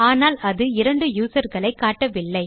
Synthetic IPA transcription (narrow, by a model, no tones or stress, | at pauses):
aːnaːlɐðɯɪɾɐɳɖɯjuːsɐɾɣɐɭɐɪkːaːʈːɐʋɪlːɐɪ